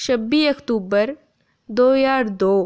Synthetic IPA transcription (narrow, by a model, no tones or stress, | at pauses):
ʃɐbːiːɐkt̪uːbəɾ | d̪oːjaːɾd̪oː